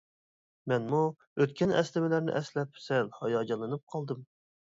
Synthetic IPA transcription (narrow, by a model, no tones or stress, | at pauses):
mɛnmu | øt̪kʲʰɛnɛ̰slɪmɪlæɾnɪ̰ʔɛslɛpsɛlhɑjɑːd͡ʒɑlˠːɨnɨp̚qʰɑlˠd̪ɨm